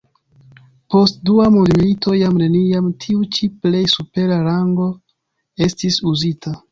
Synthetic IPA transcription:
po̞stduamundmilitʰo̞jamne̞niamtʰiut͡ʃiple̞jsupe̞ɾaɾaŋɡo̞ | e̞stisuzitʰa

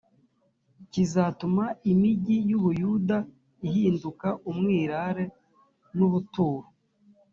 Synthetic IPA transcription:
cizatumaimiɟijuβujuda | ihiːndukaʔumŋiːɾaɾe̞ | nuβutuːɾu

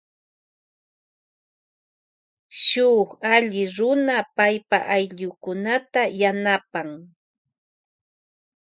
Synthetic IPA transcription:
ʃʊχaʎɪɾʊnapajpa̰ʔajʎʊkʊnat̪ajanapaŋ

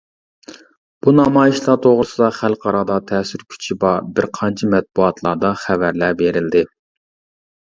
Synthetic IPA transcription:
b̥unɑmɑːjiʃlˠɑt̪ʰoʁɾɨsɨd̪ɑχælˠqʰɑɾɑd̪ɑt̪ʰɛːsyɾkʲʰy̥t͡ʃʰibɑɾbɪɾqʰɑnt͡ʃʰɑmɛt̪̚b̥uɑt̪ʰlˠɑd̪ɑχævæɾlæbeɾɪld̪ɪ

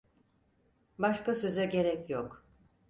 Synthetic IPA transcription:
baʃkasø̞zɛɟe̞ɾɛcjok

